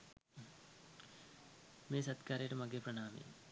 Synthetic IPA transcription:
meːsɐt̪kaːɾeːʈɐmɐɡepɾɐɳaːmḛː

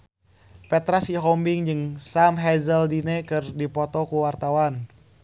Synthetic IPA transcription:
pɛt̪ɾasiɦɔmbɪŋd͡ʒɨŋsamɦɛzəldinɛkɨrdipɔt̪ɔkuwart̪awan

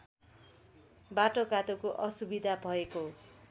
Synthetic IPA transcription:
baʈokat̪okoʔʌsubid̪ʱabʱʌeko

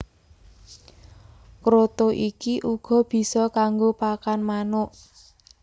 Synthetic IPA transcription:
kɾot̪oʔikiʔuɡ̥ɔ̤b̥i̤sɔkaŋɡopakanmanʊʔ

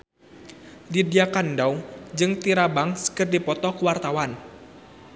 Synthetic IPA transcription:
didiakandawd͡ʒɨŋt̪iɾabaŋsə̥kərdipɔt̪ɔkuwart̪awan

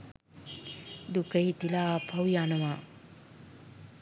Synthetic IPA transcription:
d̪ukəɦit̪ilaaːpʰawjanəʋa

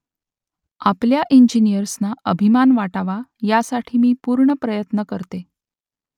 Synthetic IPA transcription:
apljaʔiɲd͡ʑinijəɾsnaəbʱimanʋaʈaʋajasaʈʰiːmiːpuɾɳəpɾəjət̪nəkəɾt̪e

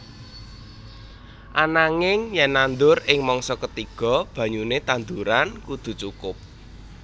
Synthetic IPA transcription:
ʔanaŋɪŋjɛnand̪ʊrɪŋmɔŋsɔkət̪iɡ̥ɔ̤b̥ä̤ɲunet̪and̪uɾankud̪̥ṳt͡ʃukʊp̚

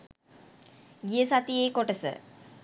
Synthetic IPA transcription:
ɡijəsat̪ijeːkoʈəsə̰

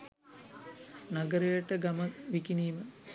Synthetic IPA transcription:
nɐɡəɾejəʈəɡɐməʋikiniːmə

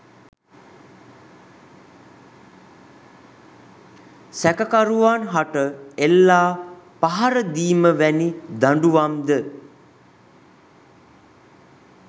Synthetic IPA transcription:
sækəkaɾuʋanɦaʈəelːaːpaɦaɾəd̪iːməʋænid̪aɳɖuʋamd̪ə

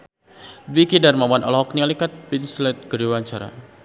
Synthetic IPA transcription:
dbikidarmamanʔɔ̰lɔɦɔknialikat̪̚pinslɛt̪̚ɡ̥əɾiwaɲt͡ʃaɾa̰

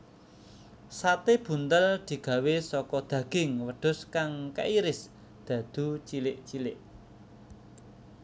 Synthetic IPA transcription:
sat̪eb̥ṳnt̪əld̪̥i̤ɡ̥a̤wesɔkɔd̪̥ä̤ɡ̥ɪ̤ŋwəɖ̪̥ʊ̤skaŋka̰ʔiɾɪs | d̪̥ä̤d̪̥ṳt͡ʃilɪʔt͡ʃilɪʔ

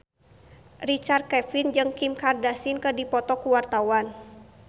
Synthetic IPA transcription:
rit͡ʃart̪̚kɛfind͡ʒɨŋkimkardasinkədipɔt̪ɔkuwart̪awan

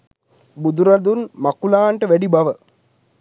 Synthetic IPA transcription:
bud̪uɾad̪unmakulaːɳʈəʋɛɖibaʋə

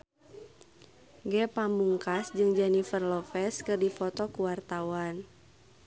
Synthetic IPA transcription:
ɡɛpamuŋkasd͡ʒɨŋd͡ʒanifərlɔfɛskɨrdifɔt̪ɔkuwart̪awan

